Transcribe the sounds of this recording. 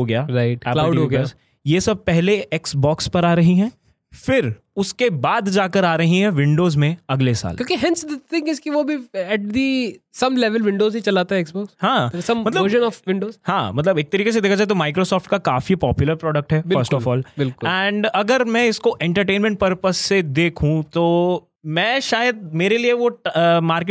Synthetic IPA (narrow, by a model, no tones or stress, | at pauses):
ɦoɡɐjaːɾaɪʈkɛːlaːʊɖɦoɡɐja | jeːsɐb̚pɛɦleʔeksbɔːkspɐɾaːɾɐɦiɦɛ̃ː | fɪɾ | ʊskebaːd̪d͡ʒaːkəɾaːɾɐɦiɦɛ̃ʋɪ̃ɳɖoːzmẽɐɡlesa̰ːlkjõːkiɦɛ̃nsd̪ət̪ʰɪ̃ŋɡɪzkiʋobʱiɛʈ̚d̪isɐmlɛʋəlʋɪ̃ɳɖoːzɦit͡ʃɐlaːt̪aɦɛ̃ɛksbɔːkshãːsɐmmɐt̪ləəɾʒə̃nɔːfʋɪ̃ɳɖoːzhãːmɐt̪̬ləbeːk̚t̪ɐɾiːkesed̪eːkʰad͡ʒaːet̪omaːɪkɾoːsɔːfʈ̚kakaːfipɔːpjʊləɾpɾɔːɖək̚ʈɦɛbɪfəɾsʈɔːfɔːlbɪlkʊlɛ̃ːɳɖɐɡəɾmɛ̃ɪskoʔɛ̃ɳʈəɾʈẽːnmɛ̃ɳʈ̚pɐɾpəsːed̪eːkʰɦũt̪oː | mɛ̃ːʃaːjəd̪̚meːɾelieʋomaːɾk